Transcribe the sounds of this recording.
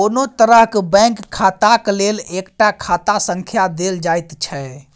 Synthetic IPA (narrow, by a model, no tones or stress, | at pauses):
onot̪əɾəɦkbə̃ŋkʰːat̪aklelekʈakʰat̪asə̃ŋkʰjad̪eld͡ʒajt̪t͡ʃʰɛ